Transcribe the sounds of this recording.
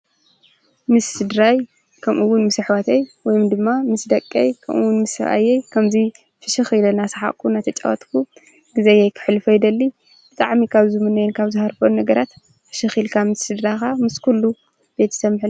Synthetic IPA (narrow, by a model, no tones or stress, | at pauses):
mɨsːɨd̪ɾaj | kʰɐmʔuwːʊnmɨsɨħwat̪ʰejwɔjmd̪ɨmːamɨsd̪ɐkʼːḛjkʰɐ̰mʔṵwʊnmɨsɐ̰βʔa̰jejkʰɐmzi | fɨʃɨxilɐnasɐ̥ħa̰ʔkʰːunat̪ʰɐt͡ʃʼa̰wɐt̪kʰu | ɡ̥ɨzejɛjkʰɨ̥ħlɨfojd̪ɐlːi | b̥ɨt̪ʼa̰ʕmikʰaβzɨmɨnɐjɛnkʰaβzɨhaɾfonːɐɡɐɾat̪ | fɨ̥ʃɨxilkʰamɨsːɨd̪ɾajkamɨskʰulːu | b̥e̞t̪ːɨ̥sɐmːħil